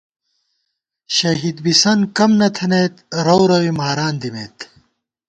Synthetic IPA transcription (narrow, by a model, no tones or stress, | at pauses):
ɕɐɦid̪bisɐnkɐmnɐt̪ʰɐneːt̪ɾɐwɾɐwimaːɾaːnd̪imeːt̪